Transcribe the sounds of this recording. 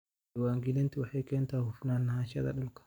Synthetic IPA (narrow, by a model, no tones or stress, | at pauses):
waːŋɡɪlɛnt̪ɪwɐħekeːnt̪aːhʊfnaːnːɐhaʃɐ̰d̪ɐ̰ɗʊlkɐ̥